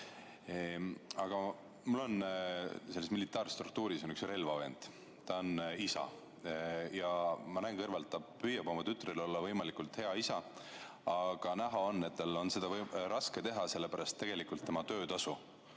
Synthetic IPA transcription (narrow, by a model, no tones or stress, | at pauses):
eɑɡ̥ɑ | mulːo̞n | se̞lːesmilit̪ːˑɑːrst̪ruk̚t̪uːɾiso̞nyksre̞lvɑve̞ːnd̪̥ | t̪ɑonisɑ̰ | jɑmɑnæːŋkɤrvɑlt̪ːɑpyjɑbo̞mɑt̪yt̪ːˑrilo̞lːɑvɤjmɑlikult̪he̞ɑisɑ | ɑɡ̥ɑnæɦɑonːe̞t̪̚ːɑlːo̞nse̞d̪̥ɑɾɑske̞t̪e̞ɦɑse̞lːe̞pæɾɑst̪ːeɡ̥e̞likult̪ːe̞mɑt̪ø̞ːt̪ɑsu